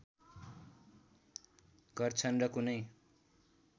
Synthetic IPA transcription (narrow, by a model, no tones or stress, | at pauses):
ɡʌrt͡sʰʌnrʌkunʌj